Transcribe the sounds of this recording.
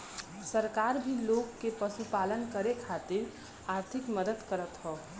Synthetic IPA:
səɾkaɾbʱilokːepəsupalənkəɾekʰat̪iɾ | aɾt̪ʰikməd̪əd̪kəɾət̪ɦɔ

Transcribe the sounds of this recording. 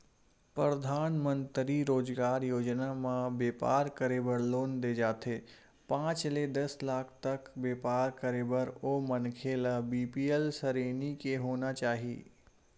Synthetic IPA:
pɾɾəd̪ʱaːnmə̃nt̪ɾiɾoːd͡ʒɡaːɾjoːd͡ʒnamãbeːpa̰ːɾkəɾeːbəɾloːnd̪ed͡ʒaːt̪ʰeː | pãːt͡ʃled̪ɐslaːkʰt̪ɐkbeːpaːɾkəɾeːbəɾomɐnkʰeləbiːpiːelsəɾeːnikeɦoːnat͡ʃaːɦiḛː

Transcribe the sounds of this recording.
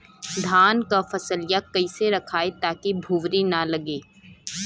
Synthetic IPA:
d̪ʱaːnkafɐsəlɪjakɐiseɾɐkʰaːet̪aːkibʱuːʋɾinɐlɐɡeː

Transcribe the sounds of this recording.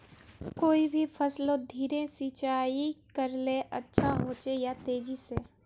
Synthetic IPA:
koːibʱifʰəslõd̪ʱiːɾesiːt͡ʃaːikəɾleʔɐtːʃʰaɦoːt͡ʃejat̪eːd͡ʒiseː

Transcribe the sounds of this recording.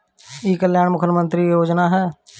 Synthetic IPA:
iːkəljaːɳmʊkʰəɾmə̃nt̪ɾijoːd͡ʒnaɦɛː

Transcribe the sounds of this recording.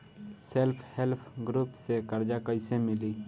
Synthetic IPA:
selpʰhelpʰɡɾuːpsekəɾd͡ʒakəɪsemɪliː

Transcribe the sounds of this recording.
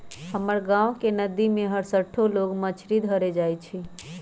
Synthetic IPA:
həməɾɡãʋkenəd̪imẽɦəɽsəʈʰoloɡmət͡ʃʰɾid̪ʱɦəɾed͡ʒajt͡ʃʰe

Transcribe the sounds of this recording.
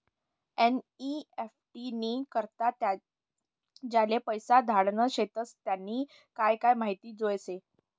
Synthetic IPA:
eniefʈiniːkəɾt̪at̪ | d͡ʑalepəjsad̪ʱaɽnəɕet̪ət͡st̪janːiː | kajkajmaɦit̪iːd͡zojse

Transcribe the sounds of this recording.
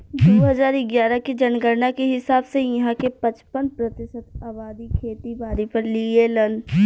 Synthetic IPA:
d̪oːɦɐzaːɾɪɡjaːɾaked͡ʒɐnɡəɾnakeɦɪsaːbsejɐɦãkepɐt͡ʃpənpɾɐt̪ɪsət̪aːbaːd̪ikʰeːt̪ibaːɾipɐɾlielɐn

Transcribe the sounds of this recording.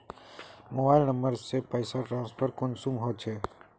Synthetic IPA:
moːbaɪlnəmbəɾsepəjsaʈɾãːnspʰəɾkonsũmɦot͡ʃʰe

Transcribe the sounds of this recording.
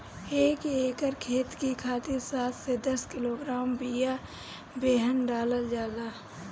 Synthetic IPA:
eːkeːkəɾkʰeːt̪kikʰaːt̪ɪɾsaːt̪ʰsed̪ɐskɪloːɡɾaːmbija | beːɦənɖaːləld͡ʒjaːd̪aː

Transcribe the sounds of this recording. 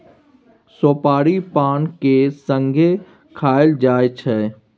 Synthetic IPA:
soːpaːɾipaːnkesə̃ŋɡʱe | kʰaːɪld͡ʒaːet͡ʃʰɛ

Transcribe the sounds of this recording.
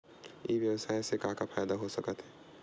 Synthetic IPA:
ḭbjəwsaːesekãkapʰaːjd̪aɦosəkət̪ɦɛ

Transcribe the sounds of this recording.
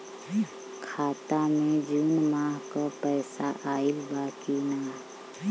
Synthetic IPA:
kʰaːt̪amẽd͡ʒuːnmaːɦkapɛːsaʔaːɪlbaːkinaː

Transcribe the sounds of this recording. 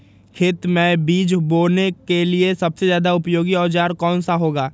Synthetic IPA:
kʰɪːt̪mẽbiːd͡ʒboːnekeliesɐbsezjaːd̪aʊpjoːɡiɔːd͡ʒaːɾkɔːnsaɦoːɡaː

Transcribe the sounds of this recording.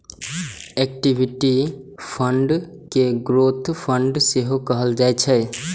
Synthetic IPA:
ek̚ʈibʱiʈi | pʰəɳɖ | keɡɾot̪ʰpʰəɳɖseɦokəɦəld͡ʒaɛt͡ʃʰɛ

